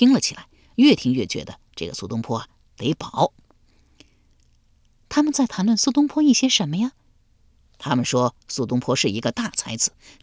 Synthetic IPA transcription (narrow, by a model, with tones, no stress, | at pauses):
i˥ŋlə˨t͡ɕʰi˨˩la˧˥ɪɥɛ˥˩t̪ʰi˧˥ŋɥɛ˥˩t͡ɕɥɛ̰˧˥d̪ə̰˧ʈ͡ʂɤ̰˥˩ɡə̰˩su˥˩t̪ʊ˥ŋpʰwɔ˥ɐ˨ | t̪e˧˥ɪpɑ˨˩˦ʊ | t̪ʰa˥mə˨nt͡sa˥˩ɪt̪ʰa˧˥nlwə˥˩nsu˥˧t̪ʊ˥ŋpʰwɔ˥i˥˩ɕjɛ˥ʂə˧˥nmə˧ja˥˩ | t̪ʰa˥mə˨nʂwɔ˥su˥˩t̪ʊ˥ŋpʰwɔ˥ʂɻ̩˥˩i˧˥ɡə˧t̪a˥˩t͡sʰa˧˥ɪt͡sɹ̩˧˩˦